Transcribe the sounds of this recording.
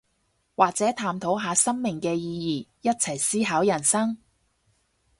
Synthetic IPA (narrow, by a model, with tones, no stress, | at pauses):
waː˨k̚t͡sɛː˨˥t̪ʰaː˨mt̪ʰo˨˥wɦaː˨˧sɐ˥ŋmɪ˨ŋkɛː˧jiː˧jiː˨jɐ˥t̚t͡sʰɐ˨˩jsiː˥ɦaː˨˥wjɐ˨˩nsɐ˥ŋ